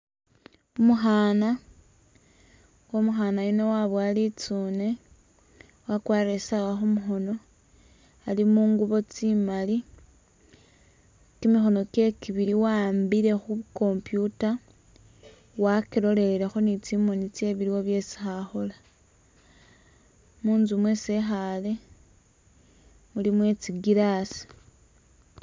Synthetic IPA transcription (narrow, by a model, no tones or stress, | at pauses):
omuxaːna | womuxanajino̞waβwalit͡sune̞ | wakwaːɾesawaxumuxo̞no̞ | alimuːŋɡuβo̞t͡simali | kimixo̞no̞ke̞kiβiɾiwambiɾe̞xuko̞mpjuta | wakiɾo̞le̞iɾexo̞nit͡simo̞nit͡se̞βiɾiwoβje̞t͡si̥xaxo̞la | muːnzumwese̞xale̞ | mulimwe̞t͡siɡiɾasi̥